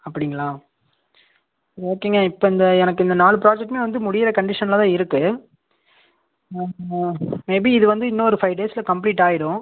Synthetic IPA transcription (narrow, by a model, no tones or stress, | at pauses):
ɐpːɐɽɪŋɡɐɭãː | ɾoːkːeŋɡɐɪpːoːɪnd̪ɐɛnɐkːɯɪnd̪ɐnaːɭɯp̬ɪɾaːd͡ʒɛʈːmeːʋɐnd̪ɯmʊɽɪjɪɾɐkɐɳɖɪʂɐnɐlɐt̪ãːɪɾɯkːɯ | meːbiːðɯʋɐnd̪ɯɪnːɐɔɾɯfɐɪʋɖeːsɪlɐkɐmpliːʈːaːjɪɽʊ̃